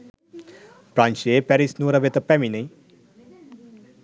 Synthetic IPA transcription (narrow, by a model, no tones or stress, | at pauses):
pɾanʃeːpɛɾisnuːɾɐʋet̪ɐpːɛminɐj